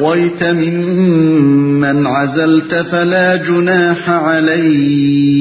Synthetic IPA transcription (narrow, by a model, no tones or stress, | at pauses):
ajt̪amɪm | anʕazalt̪falaːd͡ʒʊnaːħaʕalajh